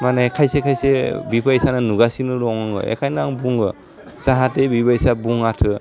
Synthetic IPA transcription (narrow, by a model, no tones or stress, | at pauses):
manekʰajsekʰajsebipʰaisanɯnuɡasinɯɾɔŋaŋɯ̰ḛkʰajnaŋbuŋɡɯ | saɦatebibajsabuŋatʰɯ